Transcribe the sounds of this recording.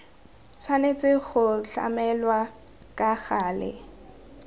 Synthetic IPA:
t͡sʰwanet͡sʼɪɣʊɬa̰mɛlwa | kʼaɣaːlɪ̰

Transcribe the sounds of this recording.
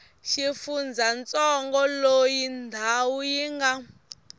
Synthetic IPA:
ʃifund͡zʱant͡sɔŋɡɔlojindʱawujiŋɡa

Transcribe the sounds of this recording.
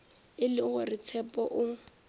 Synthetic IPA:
ɪlɪɣʊrɪt͡sʰɛpʼɔʔʊ

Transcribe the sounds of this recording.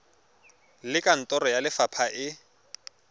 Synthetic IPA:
lɪkʼan̩tʼɔɾɔjalɪfapʰaʔɪ

